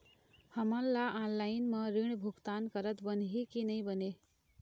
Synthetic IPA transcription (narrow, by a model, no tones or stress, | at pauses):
həmənlaʔanlaɪnmeɾiɳ̃bʱuɡt̪ankəɾət̪bənɦikinəɪ̃bəne